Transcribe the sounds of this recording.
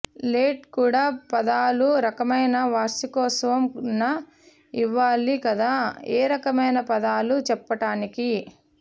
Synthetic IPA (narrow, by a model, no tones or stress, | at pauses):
leːʈkuːɽaːpɐd̪aːluɾɐkɐmɐjnɐʋaːɾsikɔːsɐʋɐmnɐ | iʋːaːlikɐd̪aːeːɾɐkɐmɐjnɐpɐd̪aːlut͡ʃɛpːɐʈaːniki